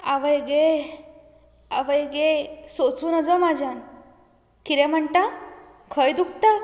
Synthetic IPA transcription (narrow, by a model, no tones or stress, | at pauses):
aʋəjɡe | aʋəjɡesot͡suːnəd͡zɔmad͡ʑʱan | kiɾɛm̤əɳʈa | kʰəjd̪uk̚t̪a